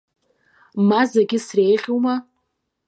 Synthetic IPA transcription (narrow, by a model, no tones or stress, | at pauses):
mazaɡʲɪsrejʁʲoma